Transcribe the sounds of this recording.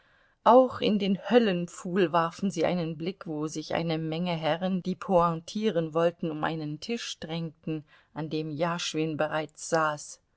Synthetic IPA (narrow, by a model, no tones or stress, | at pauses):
ʔaʊxɪ̰ndeːnhœlənfuːlvaɐfn̩ziːʔa̰ɪnənblɪkv̥oːzɪçʔa̰ɪnəmɛŋəɦɛʁənd̥iːpʰoãtʰiːʁənvɔltn̩ʊmʔa̰ɪnəntʰɪʃd̥ʁɛŋtn̩ | ʔandeːmjaːʃv̥ɪnbəʁaɪt͡sz̥aːs